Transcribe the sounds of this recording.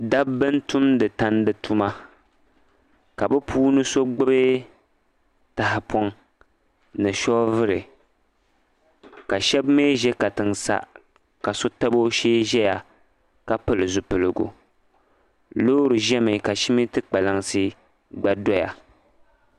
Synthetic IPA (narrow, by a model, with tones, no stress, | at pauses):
da˦bbɨ˦n˦tu˦mdɨ˨ta˦n˦dɨ˨tu˦ma˦ | ka˨bɛ˦pʰuː˦nɨ˦so˦ɡ͡bɨ˦bɨ˦ | ta˨ɦɪ˨pɔ˦ŋ | nɨ˨ʃɔ˦vɨ˦ɾɨ˨ | ka˨ʃɛ˦bme˦ʒɛ˦ka˨tɨ˨ŋsa̰˦ | ka˨so˦ta˦bo˦ʃeː˦ʒɛ˦ja˨ | ka˦pɨ˦lɨ˨zʊ˨pɨ˨lɨ˨ɡṵ˨ | loː˦ɾɨ˨ʒɛ˦mɨ˨ka˨ʃi˦mi˦tɨ˦k͡pa˨la˨ŋsɨ˦ | ɡ͡ba˦dɔ˦ja̰˨